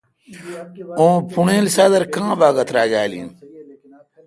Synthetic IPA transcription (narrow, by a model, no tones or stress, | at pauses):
õːpʰuɳẽːlsad̪ɐɾkãːbaːɡɐt̪ɾaːɡaːlḭn